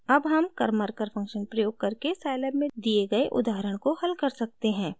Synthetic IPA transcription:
ɐbɦɐmkɐɾməɾkəɾfʰɐ̃ŋkʃənpɾɐjoːɡ̚kɐɾkesɛːləbmẽd̪ieɡɐeʔʊ̰d̪aːɾəɽ̃kohɐlkɐɾsɐk̚t̪eɦɛ̃ː

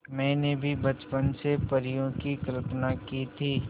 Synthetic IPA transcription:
mɛ̃ːnebʱibɐt͡ʃpənsepɐɾijõkikɐlpnakiːt̪ʰiː

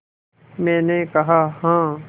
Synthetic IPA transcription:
mɛ̃ːnekɐɦaɦãː

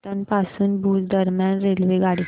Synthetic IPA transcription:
t̪anpasuːnbʱuːd͡zd̪əɾmjanɾelʋeɡaɽi

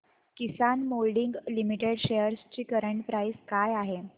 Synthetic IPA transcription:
kisanmolɖiŋɡlimiʈeɽɕejəɾst͡ɕiːkəɾəɳʈpɾaiskajaɦe

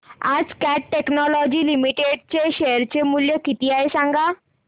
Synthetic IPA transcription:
ad͡zkaʈʈeknɔlɔd͡ʑiːlimiʈeɖt͡ɕeɕeəɾt͡ɕemuljekit̪iaesãŋɡa

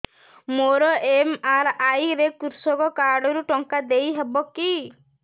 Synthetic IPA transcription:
moɾɔʔemaɾajɾekuɾsɔkɔkaɾɖɔɾuʈɔŋkad̪ejɦebɔki

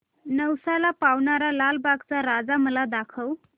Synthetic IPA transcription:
nəwsalapaʋɳaɾalalbaɡt͡saɾad͡zaməlad̪akʰəʋ

